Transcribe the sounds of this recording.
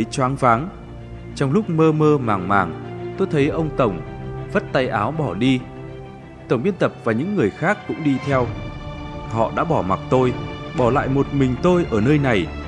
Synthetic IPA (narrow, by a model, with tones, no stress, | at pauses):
t͡ɕwaː˨˦ŋvaː˨˦ŋ | t͡ɕɔ˧wŋ͡mlʊ˦˥k͡p̚məː˧məː˧maː˨˩ŋmaː˨˩ŋt̪o˧jt̪ʰə˨˦jʔə˧wŋ͡mt̪ə˧˩wŋ͡mvə˦˥t̚t̪a˧jʔaː˨˦wɓɔ˧˩ɗi˧ | t̪ə˧˩wŋ͡mvi˧ənt̪ə˨˩p̚vaː˨˩ɲɨ̰˧˥ŋːɨ˨˩əjxaː˦˥kːʊ̰˧˥ŋ͡mɗi˧t̪ʰɛ˧w | hɔ̰˧˨ɗa̰ː˧˥ɓɔ˧˩ma˨˩t̚t̪o˧jɓɔ˧˩la̰ː˧˨jmo˨˩t̚mï˨˩ŋ̟t̪o˧jʔəː˧˩nəː˧jna˨˩j